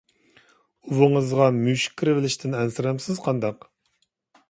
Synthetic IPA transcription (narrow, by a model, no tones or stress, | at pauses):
uvɨŋəzʁɑmyʃi̥kʲʰːiɾɪvɪlɪʃt̪ʰɪnɛnsɪɾɛmsɪzqʰɑnd̪ɑq